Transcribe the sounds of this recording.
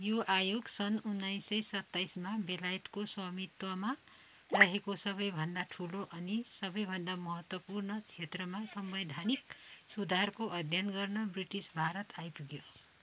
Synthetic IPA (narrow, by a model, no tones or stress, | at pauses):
joʔajoɡsʌnunːajsʌjsʌt̪ːajsmabelajt̪koswʌmit̪wʌma | rʌɦekosʌbʌjbʱʌnd̪aʈʰuloʔʌnisʌbʌjbʱʌnd̪amʌɦʌt̪wʌpurnʌt͡sʰet̪rʌmasʌmbʌd̪ʱaniksud̪ʱarkoʔʌd̪ʱjʌnɡʌrnʌbriʈisbʱaɾʌt̪ajpuɡjo